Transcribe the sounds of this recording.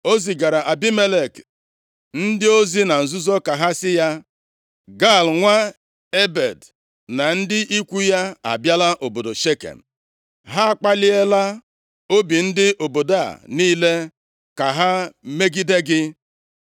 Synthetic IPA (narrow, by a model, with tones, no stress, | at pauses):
o˦zi˨ɡa˨ɾa˨ʔa˨bi˦me˦le˨k | n̩˦dɪ˦o˦zi˦na˨n̩˨zʊ˦zo˦ka˨ɦa˦sɪ˦ja˦ | ɡa˦˨lŋʷa˦ | e˦be˨d | na˨n̩˦dɪ˦ʔi˦kʷu˦ja˦a̰˨bja˦la˦ʔo˨bo˨do˨ʃe˦kḛ˨n̩˨ | ɦa˦a˦k͡pa˦lɪ˦e˦la˦ | o˦bi˨n̩˦dɪ˦ʔo˨bo˨da̰˦˨niː˦le˦ | ka˨ɦa˦me˦ɡi˦de˦ɡɪ˦